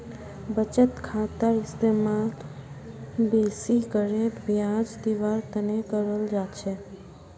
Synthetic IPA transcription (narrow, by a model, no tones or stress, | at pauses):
bət͡ʃət̪kʰat̪əɾɪst̪emãl | besikəɾebʱjãd͡ʒd̪iʋaɾt̪ənekəɾəld͡ʒat͡ʃʰe